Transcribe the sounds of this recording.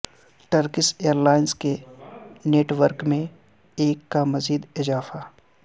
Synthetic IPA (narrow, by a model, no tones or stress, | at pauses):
ʈəɾkɪseːəɾlaːɪnske | neːʈwəɾkmẽ | eːkːamɐziːd̪ɪzaːfa